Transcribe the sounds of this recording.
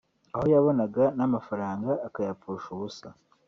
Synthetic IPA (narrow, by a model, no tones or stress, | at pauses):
aho̞jaβo̞naɡanamafaɾaːŋɡaːkajapuʃuβusa